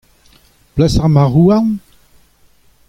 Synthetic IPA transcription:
plasaʁmaʁuan

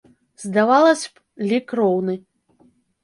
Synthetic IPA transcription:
zd̪avalˠɐsʲp | lʲikɾɔwnɨ

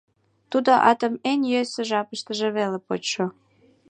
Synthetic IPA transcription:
t̪ud̪oʔɑt̪əmenʲjøsĕʒɑpəʃt̪ə̆ʒeβelepot͡ɕʃo

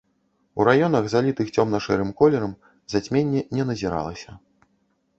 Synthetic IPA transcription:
uɾajɔnɐɣzalʲit̪ɨxt͡sʲɔmnɐʂɛɾɨmkɔlʲɛɾɐm | zat͡sʲmʲenʲːɛnʲɛnɐzʲiɾa̰lˠɐsʲɐ

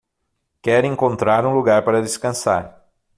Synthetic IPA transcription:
kɛɾẽŋkõnt̪ɾaɾũluɡaɾpaɾɐd̪eskɐ̃sa̰ɾ

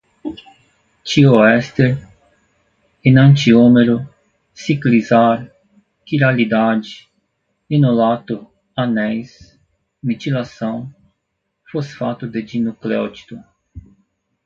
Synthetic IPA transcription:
t͡ʃioɛst̪eɾ | ɪnɐ̃nt͡ʃiomeɾʊ | siklizaɾ | kiɾalid̪ad͡ʒi | inolat̪ʊ | anɛjs | mit̪ilasɐ̃w̃ | fosfat̪ʊd̪ed͡ʒinukleot͡ʃi̥t̪ʊ

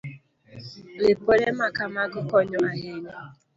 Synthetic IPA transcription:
lɪpoɾemakamaɡʊkɔɲɔaɦeni

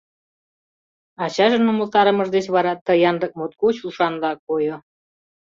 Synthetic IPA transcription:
ɑt͡ɕɑʒənuməlˠt̪ɑɾəməʒd̪et͡ɕβɑɾɑt̪ːəjɑnd̪ək̚mot̪kuɕulʃɑnd̪ɑkojo

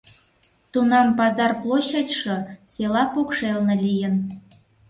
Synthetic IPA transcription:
t̪unɑmpɑzɑrplˠoɕɑtʲʃɤselɑpokʃelnelʲijən

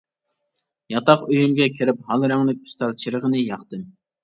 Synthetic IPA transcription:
jɑt̪ɑqøjymɡʲɛkʲʰiɾɪphɑlˠɾæŋlɪk̚ʲy̥st̪ɑlt͡ʃʰiɾəʁənɨjɑχt̪ɨm

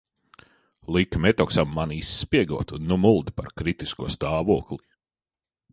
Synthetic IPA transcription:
lˠikmɛt̪ɔksamːanisːpʲiɛɡuɔt̪unːumulˠd̪ipa̰ɾkɾit̪iskuɔst̪aːvuɔklˠi

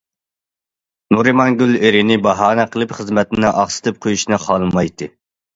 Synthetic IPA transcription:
nuɾɨmɑnɡʲyleɾɪnɪbɑɦɑːnɛqʰəlˠɨpχəzmɛt̪ɪnɪŋʔɑχsɨ̥t̪ʰɨp̚qʰojuʃnɨχɑlˠɨmɑjt̪ʰɨ

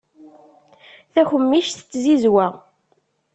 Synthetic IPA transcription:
θæçəmːiʃθət͡sːzizwæ

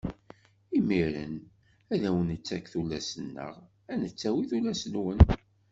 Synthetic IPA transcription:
imiɾə̰n | æðæwənət͡sːækθulːæsənːə̰ʁ | ænət͡sːæwiθulæsənwən

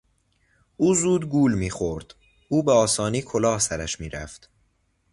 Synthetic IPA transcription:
ʔuːzuːd̪ɡuːlmiːxoɾd̪̥ | uːbeɒːsɒːniːkʰolɒːhsæɾæʃmiːɾæ̰ft̪

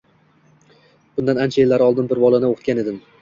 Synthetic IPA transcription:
b̥ʊnd̪anant͡ʃʰaelːaɾɒlˠd̪ɪnbɪɾbɒlˠanɪoqʰɨt̪kʲaned̪ɪm

